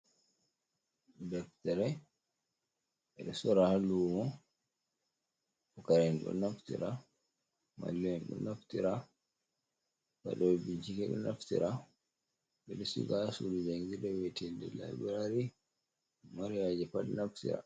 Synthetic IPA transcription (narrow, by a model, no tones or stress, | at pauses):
dɛftɛɾɛ | ɛɗɔsɔɾahalumɔ | fukaɾɛnɗɔ̰naftḭɾa | ma̰lːunɗɔ̰naftiɾa | pa̰ɗɔwɛbiɲt͡ʃikɛɗɔ̰naftḭɾa | ɓɛɗɛsḭbasudid͡ʒaŋɡidɛwɛtʰɛldɛ̰la̰bɛɾaɾi | maɾijad͡ʒɛpadɛnaftḭɾa̰